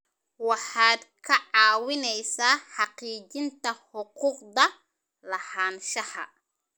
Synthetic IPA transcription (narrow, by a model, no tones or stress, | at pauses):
wɑħaːd̪kʰɐʕaːwɪnɛjsaːħɑqiːd͡ʒɪnt̪ɐħʊquːqd̪ɐ | lɐhaːnʃɐhɐ̰